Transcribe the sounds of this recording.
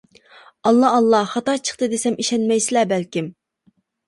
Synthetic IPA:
ɑlˠːɑːlˠːɑχɑt̪ɑt͡ʃʰə̥χt̪ɨd̪esɛmʔiʃɛnmɛjsɪlɛbɛlkʲim

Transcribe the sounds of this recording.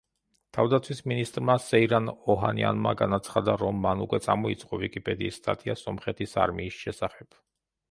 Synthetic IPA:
t̪ʰavd̪at̪sʰwisminist̪ʼɾmasɛiɾanɔɦa̰nia̰nmaɡanat̪sʰχad̪aɾɔmːanukʼwɛt̪sʼamɔit̪sʼqʼɔvikʼipʼɛd̪iːst̪ʼa̰t̪ʰʼiasɔmχɛt̪ʰisa̰ɾmiːsʃɛsaχɛb̥

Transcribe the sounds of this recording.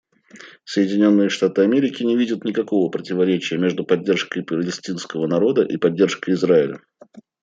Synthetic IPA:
səjɪdʲɪnʲo̞nːɨjəʂt̪at̪ɨɐmʲeɾʲɪkʲɪnʲɪvʲidʲət̪nʲɪkɐko̞vəpɾətʲɪvɐɾʲet͡ɕɪjəmʲe̞ʐd̪ʊpɐdʲːe̞rʂkəjpəɾʲəlʲɪsʲtʲinskəvənɐɾo̞d̪əʔipɐdʲːe̞rʂkəjɪzɾaɪlʲə̰

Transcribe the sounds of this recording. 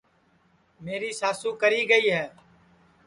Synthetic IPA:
meːɾiːsaːsũːkəɾiːɡəiːɦɛː

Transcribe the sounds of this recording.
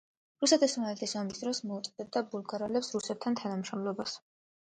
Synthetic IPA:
ɾusɛt̪ʰismaɛlt̪ʰisamisd̪ɾɔsmɔut̪sʼɛd̪̥ɛb̚d̪abulˠɡaɾalɛpsɾusɛp̚t̪ʰant̪ʰanamʃɔmlˠɔbas

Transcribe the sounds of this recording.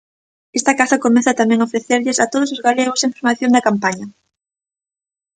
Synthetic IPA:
est̪ɐkasɐkomeθat̪amɛ̃ŋaofɾeθeɾʎɪsat̪oð̞osozɣaleɣ̞osẽŋfoɾmaθjoŋd̪ɐkampaɲɐ

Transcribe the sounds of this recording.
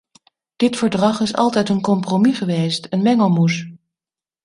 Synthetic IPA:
d̥ɪtfəɹdrɑχɪsɑ̰lˠtɛjtənkɔmpromiχəʋejstənʋɛŋəlˠmus

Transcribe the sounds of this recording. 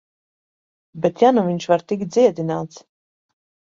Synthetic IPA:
bɛt̪januviɲʃvaɾt̪ik̚t̪̚d̪ziɛd̪inaːt̪s

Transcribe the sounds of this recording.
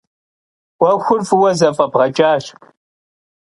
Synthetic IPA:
wɐxʷʊrfɨwɐzɐfʼɐbʁɐt͡ʃʼaːɕ

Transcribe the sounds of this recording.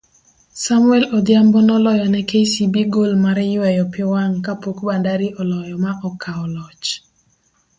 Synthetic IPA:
samʊɛlɔd̪jambɔnɔlɔjɔnɛkesibiɡolmaɾɛjʊwɛjɔpɪwaŋkapokbandaɾiʔɔlɔjɔmaʔɔkʰaɔlɔt͡ʃ

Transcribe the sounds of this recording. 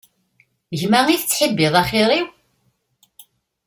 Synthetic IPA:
ʝmaʁiθət͡sːħəbːɪðˤɑχiɾiw

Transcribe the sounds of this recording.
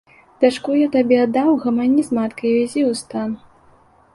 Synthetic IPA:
d̪̥ʲaʂkujat̪abʲɛd̪awɣɐmanʲizmat̪kɐjvʲazʲiwst̪an

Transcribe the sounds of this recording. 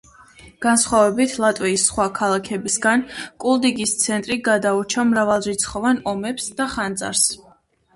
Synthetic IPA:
ɡ̥ansχwavɛbit̪ʰlˠat̪ʼwiisːχwakʰalˠakʰɛbisɡankʼulˠd̪iɡist̪sʰɛnt̪ʼɾiɡad̪aut͡ʃʰamɾavalˠɾit̪sʰχɔvanɔmɛpsd̪aχand̪za̰ɾs

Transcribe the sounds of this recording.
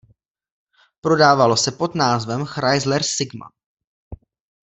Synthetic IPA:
pɾo̞daːvalo̞sɛpo̞d̪naːzvɛmxɾajzlɛɾsɪɡma̰

